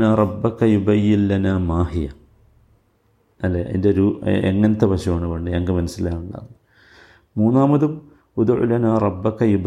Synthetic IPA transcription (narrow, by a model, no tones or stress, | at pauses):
naːrˤɑbːɐkɐjubɐjːinlɐnaːmaːhijɐ | ɐlːeʔḛndeɾuːḛŋːɐnɐt̪ːepɐɕɐmaːɳɨko̞ɳɖɨeŋɡɨmɐnɐsːilaːnuɳɖa̰ːð | muːnːaːmɐðum | wud̪ʕṵlɐnaːrˤɑbːɐkɐjub